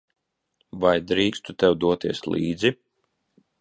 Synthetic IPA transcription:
vajd̪ɾiːkst̪ut̪ɛwd̪uɔt̪iɛslˠiːd̪zi

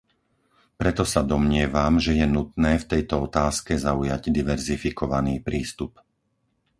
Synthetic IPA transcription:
pɾɛt̪ɔsad̪ɔmɲɪɛʋamʒɛjɛnut̪nɛːft̪ɛjt̪ɔɔt̪aːskɛzaujaɟd̪iʋɛɾzifikʰɔʋaniːpɾiːst̪up

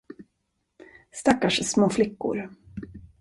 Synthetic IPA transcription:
st̪akːaʂsmoːflɪkːʊ̰ɾ

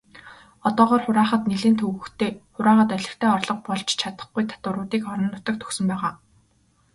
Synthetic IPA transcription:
ɔt̪ɔːʁɔːrχʊɾaːχə̆t̪neɮeːnt̪ʰɵɣɵ̆xt̪ʰeːχʊɾaːχə̆t̪œɮʲɪ̆kt̪ʰeːɔrɮɞ̆q̚pɔɮt͡ɕt͡ɕʰat̪ə̥̆χɡujt̪ʰḁt̪ʊɾʊːt̪iːkɔɾɞ̆nːʊt̪ə̆k̚t̪ʰɵ̥xsɵ̆mpæːʁaː

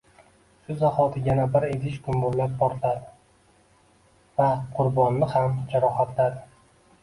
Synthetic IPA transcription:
ʃʊzahɒt̪ʰɪjanabɪɾed̪ɪʃkʰʊmboɾlap̚bɒɾt̪lad̪ɪ | vaqʰʊɾbɒnːɪhamd͡ʒaɾɒhat̪lad̪ɪ

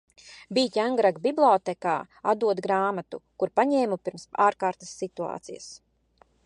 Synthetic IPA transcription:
biːcʲaŋɡɾaɡbiblˠɔːt̪ɛkaː | a̰d̪uɔd̪ɡɾaːmat̪ṵkuɾpaɲɛːmupiɾmsaːɾkaːɾt̪asːit̪ua̰ːt̪sḭja̰s

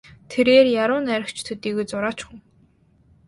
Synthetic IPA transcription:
t̪ʰeɾeːrjaɾʊːnæɾʲɪ̆kt͡ɕʰt̪ʰɵt̪iːɣujt͡sʊɾaːt͡ɕχʊ̆ŋ

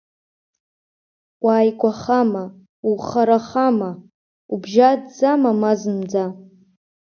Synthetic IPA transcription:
waːjkʷʼaχama | uχaɾaχama | ubʒadd͡zamamazɨmd͡za

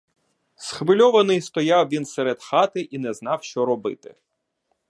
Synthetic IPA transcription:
sxʋɪlʲɔʋɐnɪjst̪ɔjɑwʋʲinsɛɾed̪xɑt̪ɪʔinɛznɑwʃt͡ʃɔɾɔbɪ̰t̪ɪ̰

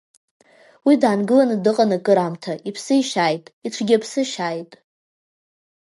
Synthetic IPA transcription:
widaːnɡɨlanɨdɨqʼanɨkʼɨɾamtʰaʔipʰsɨiʃajtʼiʈ͡ʂʷʰɡʲapʰsɨʃajtʼ

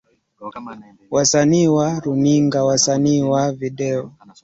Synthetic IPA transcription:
wasaniwaɾuniŋɡawasaniwaviɗɛɔ

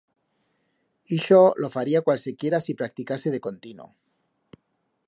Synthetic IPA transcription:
iʃolofaɾiakwalsekje̞ɾasipɾak̚t̪ikaseð̞e̞ko̞nt̪ino̰

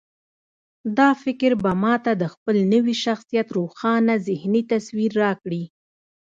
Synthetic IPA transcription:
d̪ɑfɪkɾbamɑt̪ad̪əxpəlnəwiʃaxsijat̪ɾoxɑnazɪhnit̪aswiɾːɑkɽi

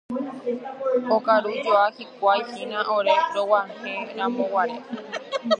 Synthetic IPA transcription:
okaɾud͡ʒoakikʷaihinãʔoɾeɾowaŋhẽɾamõwaɾe

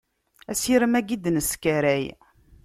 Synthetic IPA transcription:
æsiɾəmæɡid̪nəskæɾæj

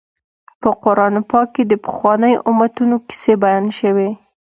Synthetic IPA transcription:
pəqʊɾɑnpɑkːed̪əpə̥xwɑnəjʊmat̪unoki̥sebajɑnʃəwe

